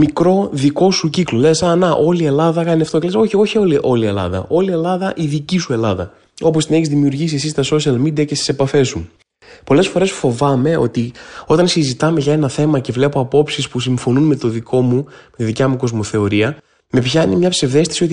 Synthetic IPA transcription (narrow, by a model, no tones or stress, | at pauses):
mikɾo̞ðiko̞suciklo̞le̞sɐnɐʔo̞lie̞lɐðɐkɐniɐft̪o̞cele̞so̞çieo̞çioliʔo̞lie̞lɐ̰ðɐ̰ʔo̞lie̞lɐðɐʔiðicisue̞lɐðɐ̰ | o̞p̬ost̪ine̞çizðimiuɾʝisiesist̪ɐso̞ʃiɐlmid̪iɐcest̪i̥se̞pɐfe̞su | po̞le̞sfo̞ɾe̞sfo̞vɐme̞o̞̰t̪io̞t̪ɐnsizit̪ɐme̞ʝɐe̞nɐθe̞mɐce̞vle̞po̞ɐpo̞psispus̬iɱfo̞nunme̞t̪o̞ðikʰo̞mume̞t̪iðicɐmuko̞zmo̞θe̞o̞ɾiɐ | me̞pçɐnimɲɐpse̞vðe̞st̪i̥sio̞t̪i